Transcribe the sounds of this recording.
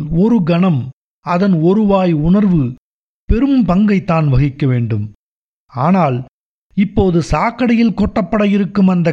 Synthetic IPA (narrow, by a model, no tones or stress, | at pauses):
ɔɾɯɡɐnɐm | ɐðɐnɔɾɯʋaːjʊɳɐɾʋɯ | pɛɾɯmpɐŋɡɐɪt̪ːaːnʋɐɣɪkːɐʋeːɳɖɯm | aːnaːl | ɪpːoːðɯsaːkːɐɽɐjɪlkɔʈːɐpːɐɽɐjɪɾɯkːɯmɐnd̪ɐ